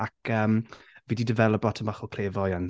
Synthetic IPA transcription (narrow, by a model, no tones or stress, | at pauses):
akʰəːmviːdidəvɛlˠəbɔtʰənbaχɔkʰl̥eːvɔjan